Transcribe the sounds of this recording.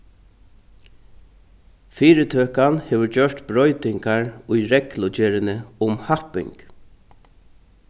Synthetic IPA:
fiːɾɪt̪ʰøːkanheːʋʏɾcœʂt̪bɾɔʏt̪ɪŋkaɹʊjɾɛklʊt͡ʃɛːɾɪnəʊmhahpɪ̰ŋk

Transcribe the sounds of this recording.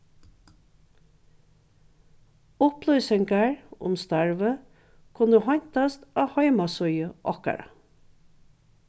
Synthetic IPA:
ʊplœʏsɛŋɡəɹʊ̰mst̪æɹʋə | kʰʊnəhɑɲt̪ɑst̪ɑːhɑɪmɑsœʏəʔɑkə̰ɾɑ̰

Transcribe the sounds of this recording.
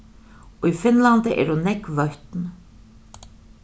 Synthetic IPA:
ɔɣifɪnlant̪ɪʔɛ̰ɾunɛjkvœɥht̪n

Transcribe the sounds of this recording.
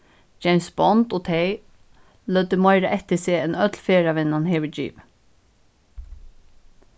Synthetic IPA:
d͡ʒɛɪnsbɔnt̪oːt̪ʰɛj | lœd̪əmaɪɾəʔɛht̪ɪseːɛnœt̪lfeːɹaʋɪnːanheːʋəd͡ʒḭːʋ

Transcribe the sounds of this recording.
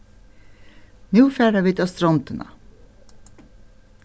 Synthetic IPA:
nʉːfæːɖəʋiːt̪ɑst̪ɾɔnt̪ənɑ̰

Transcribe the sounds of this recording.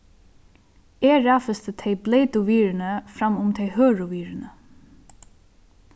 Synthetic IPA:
ɛːɾaːfəst̪ət̪ʰɛɪbleːt̪ʊʋiːɾɪnəfɾamːʊmt̪ʰɛjhøːɹʊʋiːɾɪnə

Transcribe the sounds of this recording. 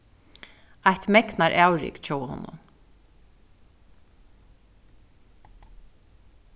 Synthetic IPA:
ajht̪mɛknaɾʔæwɾɪ̰kt͡ɕʰoːwhɔ̰nːʊ̰n

